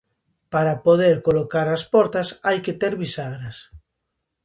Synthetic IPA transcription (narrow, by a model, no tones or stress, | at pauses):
paɾapoðeɾkolokaɾaspɔɾt̪asajket̪eɾβisaɣɾas